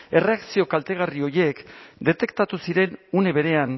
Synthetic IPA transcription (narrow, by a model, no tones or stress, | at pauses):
e̞re̞aksio̞kalt̪e̞ɣ̞ario̞je̞kd̪e̞t̪e̞kt̪at̪usiɾe̞nune̞βe̞ɾe̞an